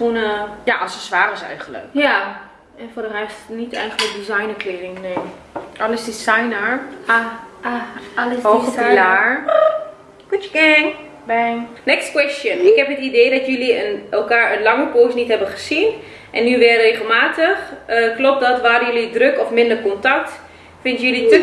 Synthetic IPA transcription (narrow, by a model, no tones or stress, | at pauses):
funəjaʔɔlˠsəsʋaːrəsɛ̰jɣənlə̰kja | ɛnfodərɛstnitʰɛjɣələkdizajnəkleːɾɪŋneː | ʔɔləsdisajnəɹa | lsɔəlaːɹ | kut͡ʃəkɛ | bɛnɛkstkwɛstjənɪkhɛpɦətideːdɔtjøliənɛlˠkaːɹənlɑŋəpoːsnithɛbəχə̥sin | ʔɛnːyʋɛreːɣəlˠmaːtəxəklɔp̚dɔtʋaːdəjølidrøkɔfmɪndərkɔntak̚t | fɪntjølitə